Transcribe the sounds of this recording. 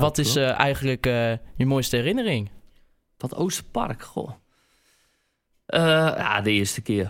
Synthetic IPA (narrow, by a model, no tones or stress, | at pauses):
ʋɔtɪsʔɛjɣəndləkjəmojstəɛrɪnərɪŋ | ʋɔtoːstəpa̰rkxo̰ | əja̰dəɪəstəkɪər